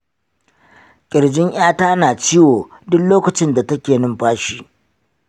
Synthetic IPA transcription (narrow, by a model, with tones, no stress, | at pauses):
kʲʼɪ˨ɽd͡ʒɪ˦ŋʔj̰aː˦taː˦naː˨t͡ʃiː˦woː˨dʊ˦kloː˦kɐ˨t͡ʃɪ˦nda˨tɐ˦kʲeː˨nʊ˦mɸaː˦ʃiː˦